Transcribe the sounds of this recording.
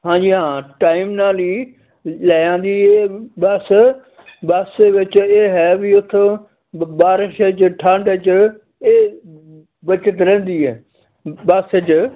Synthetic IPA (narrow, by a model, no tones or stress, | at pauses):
ɦãːɲd͡ʒiːɦãːʈaːɪmnaːliː | laːjãːnd̪iːɦeːbəs | bəseʋɪt͡ʃeːɦɛːbiʊt̪ʰ | baːɾɪʃet͡ʃʈʰaːɳɖət͡ʃ | eː | bət͡ʃət̪ɾɛ̃ːnd̪iːɦɛː | baːsɪt͡ʃ